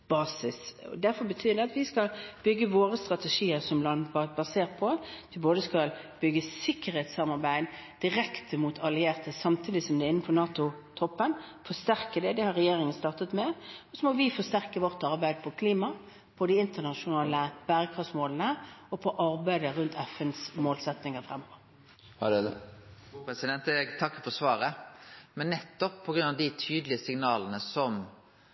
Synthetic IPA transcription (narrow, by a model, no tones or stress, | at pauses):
b̥ɑːsɪsɔ̰d̪æɾfɔɾbət̪ʰyːd̪ɛɑt̪ʋɪskɑlbʏɡːəʋoːɾəst̪ʁɑt̪ɛʂiːəɾsɔmlɑnbɑseːʁt̪̚pʰɔʋɪboːd̪əskɑlb̥ʏɡəsɪkːəɾhɛːt̪sɑmɑʁbæɪd̪d̪̥ɪɾɛkt̪ʰəmut̪ʰɑlɪeːʁt̪ʰəsɑmt̪ʰiːd̪ɪsɔmd̪ɛɪnːəfɔʁnɑːt̪ʊt̪ʰɔpːənfɔst̪æɾkəd̪ɛd̪ɛhɑɾːɛjeːɾɪŋənst̪ɑːʁt̪ət̪mɛɔsɔmɔʋɪfɔst̪æʁkəʋɔʁt̪ɑʁbæɪd̪pʰɔkʰliːmɑ | pʰɔd̪ɪɪnt̪əʁnɑʂʊnɑːləb̥æːʁəkʰʁɑfsmoːlənəɔpʰɔʔɑʁbæɪd̪əʁʉnt̪ʰɛfənsmoːlsɛt̪nɪŋəʁfʁɛmːɔʋəʁ | pɛsɪd̪ɛnt̪əɛɡt̪ʰɑkːəfɔsʋɑːɾəmɛnnːɛt̪ːɔpʰːɔɡɾʉnɑʋd̪ɪt̪ʰyːd̪lɪəsɪŋnɑːlənəsɔm